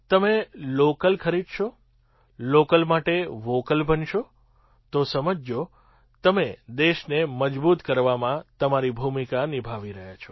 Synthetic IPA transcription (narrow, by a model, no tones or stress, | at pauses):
t̪əmelokəlkʰəɾid̪ʃo | lokəlmaʈeʋokəlbʱənʃo | t̪osəməd͡ʒjo | t̪əmed̪eʃneməd͡ʒbut̪kəɾʋamãt̪əmaɾibʱumikanibʱaʋiɾəɦjat͡ʃʰo̥